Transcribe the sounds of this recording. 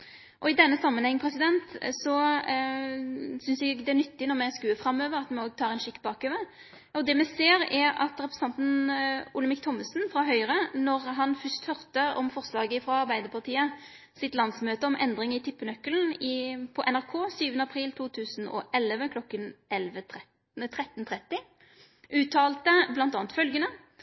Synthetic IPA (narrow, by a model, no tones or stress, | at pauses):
ʔɔɪd̪ɛnːəsɑmːənhɛŋːəpʰɾɛsɪd̪ɛnt̪sɔ | sʏnsɛɡd̪ɛæɾnʏt̪ːɪnɔʁmɛskʉːəfɾɑmːøːʋəɾɑt̪mɛoːɡ̚t̪ʰɑːɾɛnʃɪkːbɑːkøːʋə | ɔd̪ɛmɛseːɾɛɑ̰t̪ɾɛpɾɛsɑnt̪nʊləmɪkt̪ʰɔmːəsnfɾɑɦœʏɾənɔɾɦɑnfœst̪hœɾt̪əɔmfɔʁslɑːɡəɪfɾɑɑʁbæɪd̪əɾpʰɑʁt̪ʰiːə | sɪt̪lɑnsmøːt̪əɔmʔɛ̰nd̪ʁɪŋɪt̪ʰɪpːənœkːəln̩ɪpʰɔʔɛnæʁkʰoːsyːʋənəɑpʰʁiːlt̪ʰuːt̪ʰʉːsn̩ɔ̰ʔɛlʋəkʰlɔkːənɛlʋət̪ʰɛ | t̪ʰʁɛt̪ːn̩t̪ʰʁɛt̪ːɪ | ʔʉːt̪ʰɑːlt̪əblɑnt̪ɑːnt̪fœlɡənə